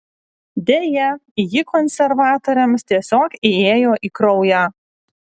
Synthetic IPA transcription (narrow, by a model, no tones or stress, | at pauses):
d̪ʲeːjɛɪjɪkɔnʲsʲɛɾʋɑːt̪oːɾʲɛmst̪ʲiɛsʲoːkeeːjoːʔiːkɾɔʊjɑ